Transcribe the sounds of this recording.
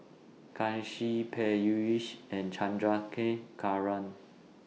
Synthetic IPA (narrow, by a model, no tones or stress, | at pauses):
kʰãnʃipʰɛjuiʃɛ̃nt͡ʃʰãndɹakʰɛ̃kʰaɹãn